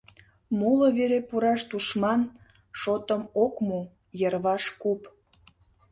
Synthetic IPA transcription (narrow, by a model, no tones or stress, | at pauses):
muləβeɾepuɾɑʃt̪uʃmɑn | ʃot̪əmokmu | jərβɑʃkup